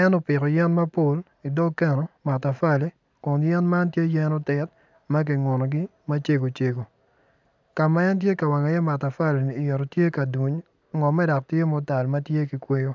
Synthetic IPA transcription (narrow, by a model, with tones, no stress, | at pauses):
ɛ˦no˦pɪ˨kɔ˨jɛ˦nma˦po˦˨l | i˨do˦ɡkɛ˦nɔ˨ma˨ta˨fa˦le˨ | kʊ˨njɛ˦nma˦ntje˦jɛ˦no˦tɛ˨t̚ | ma˦k̬i˨ŋo˨nɔ˨ɡi˦ | ma˦t͡ʃe˦ɡo˨t͡ʃe˨ɡo˨ | ka˨ma˦ɛ˦ntje˦ka˨wa˨ŋa˨jɛ˦ma˨ta˨fa˦˨le˨ni˨je˨ɾo˨tje˦ka˨du˨ɲ | ŋɔ˨mɛ˦dɔ˨k̚tje˦mɔ˦ta˨lma˦tje˦ki˨kwe˦jo˦